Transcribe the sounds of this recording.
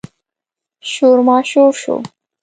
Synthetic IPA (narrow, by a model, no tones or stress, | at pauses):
ʃoːɾmɑːʃoːɾʃo̰